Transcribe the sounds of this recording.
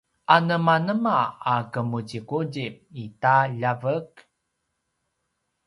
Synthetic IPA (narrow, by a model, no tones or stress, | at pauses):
ʔanəmanəmaakəmuɟikuɟip̚itaʎavək